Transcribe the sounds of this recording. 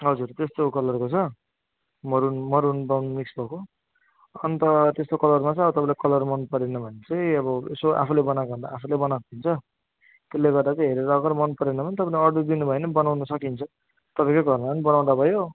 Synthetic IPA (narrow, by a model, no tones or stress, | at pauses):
ɦʌd͡zurt̪est̪okʌlʌrkot͡sʰʌ | mʌɾunmʌɾunbawnumiksbʱʌko | ʌnt̪ʌt̪est̪okʌlʌrmat͡sʌj̃ʌbʌt̪ʌpãlekʌlʌrmʌnpʌɾenʌbʱʌnet͡sʌj̃ʌbʌesoʔa̰pʰulebʌnaɡʌnd̪a̰ːpʰulebʌnak̪ʰint͡sʰʌ | t̪elːeɡʌrd̪at͡sʌ̃j̃ɦeɾiɾʌɡʌrmʌnpʌɾenʌbʱʌnit̪ʌpaĩlʌd̪ud̪inubʱʌenʌbʌnawnʌsʌkint͡sʰʌ | t̪ʌpãĩkoɡʱʌrmapʌnibʌnaw̃d̪abʱʌjo